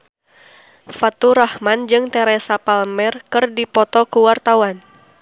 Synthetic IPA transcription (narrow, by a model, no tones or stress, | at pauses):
fat̪uɾahmand͡ʒɨŋt̪ɛɾɛsapalmɛrkɨrdipɔt̪ɔkuwart̪awan